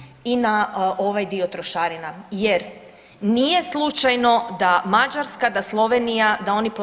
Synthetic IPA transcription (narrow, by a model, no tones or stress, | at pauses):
inaʔo̞ʋajd̪io̞t̪ɾoʃaːɾinajeɾ | nije̞slˠut͡ʃajno̞d̪amad͡ʒaɾskad̪aslˠo̞ʋenijad̪ao̞nip